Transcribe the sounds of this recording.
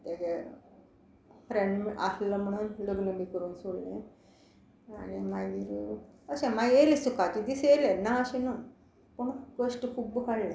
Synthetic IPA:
t̪eɡe | fɾeɳɖma̰sləm̤əɽ̃uːnləɡnəbʱikəɾuːnsoɽlẽ | a̰nimaɡd̪iɾuəɕẽmaɡelesukat̪id̪iseelẽnaəɕẽnu | pəɳkəsʈkʰuːp̚bəkaɽlẽ

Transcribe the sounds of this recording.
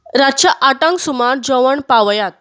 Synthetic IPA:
ɾat͡ɕaʔaʈãŋɡsumaɾd͡ʑəʋəɳpaʋjat̪̚

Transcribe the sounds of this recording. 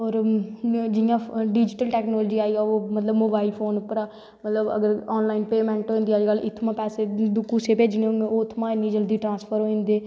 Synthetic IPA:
ɔːɾ | d͡ʒɪjãːɖiːd͡ʒɪʈəlʈɛːknɔːld͡ʒiːaːiːaːomət̪ləbmoːbaːɪlpʰoːnʊpːəɾaː | mət̪ləbə̰ɡəɾɔːnlaːinpeːmɛ̃ːɳʈɦoːĩnd̪iːaəd͡ʒɡəlɪt̪ʰːmãːpɛːseːd̪ʊkːuːseːpeːd͡ʒneːɦõːɡeoːɪt̪ʰːmãːɪnːĩːd͡ʒəld̪iːʈɾãːnspʰəɾɦoːĩːnd̪eː

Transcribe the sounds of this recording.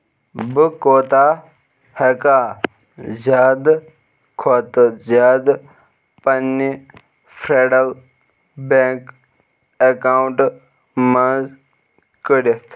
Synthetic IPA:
bɨkoːt̪aː | hekaː | zaːd̪ | kʰot̪zaːd̪ | pɐnːi | fʰɾeːɖɐl | bẽk | ekaːuɳʈ | mɐ̃z | kəɾest̪ʰ

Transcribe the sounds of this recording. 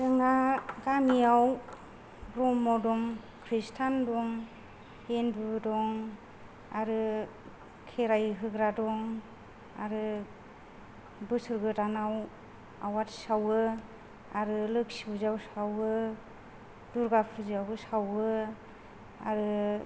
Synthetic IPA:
zɯŋaɡamiaw | bɾɔmːawdɔŋ | kʰɾistʰandɔŋ | hendudɔŋ | aɾɯ | kʰeɾajɦɯɡɾadɔŋ | a̰ɾɯ | bɯsɯɾɡɯtanaw | awatsawɯ | aɾɯlɯksibuzawsawɯ | duɾɡapʰɯziawɯsawɯ | aɾɯ

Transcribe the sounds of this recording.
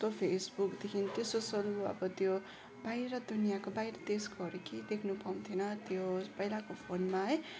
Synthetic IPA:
t̪opʰesbukd̪ekʰint̪jesosʌluʌ̰bʌt̪jo | bajɾʌd̪unijakobaiɾʌt̪esɡʌɾekid̪ekʰnupaw̃t̪ʰinʌt̪jopʌilakopʰonmaɦʌj

